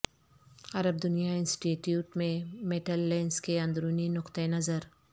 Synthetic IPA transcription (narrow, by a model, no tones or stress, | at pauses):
ɐɾəb̚d̪ʊnijaɪ̃nsʈiːʈjuːʈmẽmeʈəlːẽːnskeɐ̃nd̪ɾuːninʊqt̪enɐzəɾ